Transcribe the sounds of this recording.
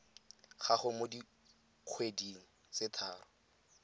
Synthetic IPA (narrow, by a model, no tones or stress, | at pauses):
χaχʊmodi | q͡χʰwediŋ̩ | t͡sɪtʰaːrʊ